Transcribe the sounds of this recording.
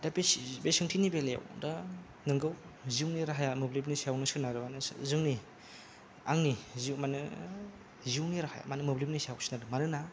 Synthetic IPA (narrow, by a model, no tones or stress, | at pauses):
dabbesɯŋtʰinibeleja̰wda | nɯŋɡɯwziwniɾaɦajamɯblip̬nisawnɯsɯnaɾɯbanɯ̰zɯŋni | aŋniziwmanɯ | ziwniɾahaja̰manɯmɯblipnisiawsinadɯmanɯna